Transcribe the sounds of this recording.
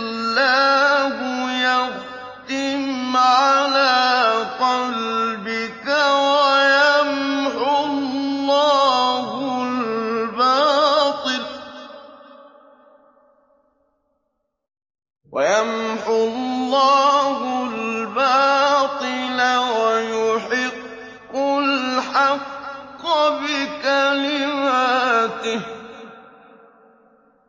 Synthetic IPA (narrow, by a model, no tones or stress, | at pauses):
lːaːɦʊjaɣ | t̪ɪmmʕalaːqɑlbɪkawajamʕʊllˤːɑːhʊlllbɑːt̪ˤɨl | wajamħʊllˤːɑːɦʊlbaːt̪ˤɨlawajʊħɪqː | ʊlħaqː | bɪkalɪmaːt̪ɪh